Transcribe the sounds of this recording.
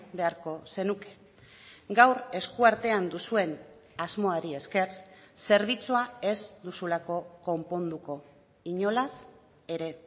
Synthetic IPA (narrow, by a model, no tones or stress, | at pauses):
be̞aɾko̞se̞nuke̥ | ɡawɾe̞skuaɾt̪e̞and̪usue̞n | azmo̞aɾie̞ske̞rse̞ɾβ̞it͡suae̞zd̪usulako̞ko̞mpo̞nd̪uko̞ | iɲo̞las | e̞ɾe̞